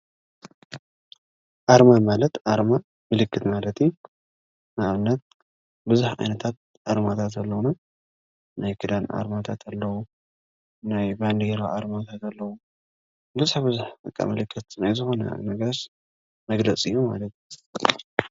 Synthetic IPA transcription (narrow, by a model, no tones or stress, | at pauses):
ʔaɾmamalɐt̪ʔaɾma | mɨlɨkːɨt̪malɐt̪j | naʔaβɨnːɐt̪̚ | bɨzuħʕa̰jnɐt̪ʰat̪̚ | ʔaɾmat̪ʰat̪ɐlːɐwuna | najkʰɨd̪anʔa̰ɾmat̪ʰat̪ʰalːɐwu | najband̪eɾaʔaɾmat̪ʰat̪alːɐwu | bɨzaħbɨzuħt̪ʼɨkʼːa̰mɨlɨkʰːɨt̪zɨnajzɨxo̞nɐ̰a̰βnɐɡas | mɐɡlɐt͡sʼɨjːoma̰lɐt̪j